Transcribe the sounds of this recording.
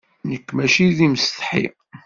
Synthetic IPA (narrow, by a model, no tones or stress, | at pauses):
nəkːmæʃiðimst̪ħḭ